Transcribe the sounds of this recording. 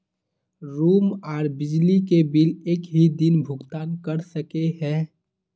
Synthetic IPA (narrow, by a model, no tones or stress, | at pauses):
ɾuːmɔːɾbɪd͡ʒlikebɪleːkɦid̪ɪnbʱʊɡt̪aːnkəɾsəkeɦɛ̃ː